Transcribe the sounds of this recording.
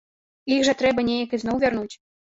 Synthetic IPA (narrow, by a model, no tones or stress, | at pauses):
iɣʐɐt̪ɾɛbɐnʲejɐkiznɔwvʲarnut͡sʲ